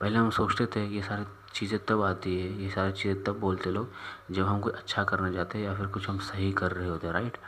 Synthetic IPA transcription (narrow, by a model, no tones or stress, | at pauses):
pɛɦleɦɐmsoːt͡ʃt̪et̪ʰejesaːɾe | t͡ʃiːzẽt̪ɐbaːt̪iɦɛjesaːɾet͡ʃiːzẽt̪ɐbːoːlt̪eɦloːɡd͡ʒɐbɦɐmkʊt͡ʃʰɐtːʃʰakɐɾnad͡ʒaːt̪eɦɛjafʰɪɾkʊt͡ʃʰɦɐmsɐɦikɐɾːɐɦeɦoːt̪eɦɾaːɪʈ